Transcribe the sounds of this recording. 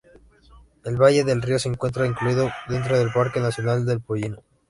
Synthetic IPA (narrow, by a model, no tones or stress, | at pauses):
e̞lβaʝe̞ðe̞lrio̞seːŋkwe̞nt̪ɾaiŋkluiðoðe̞nt̪ɾoðe̞lpaɾke̞nasjo̞nald̪e̞lpoʎino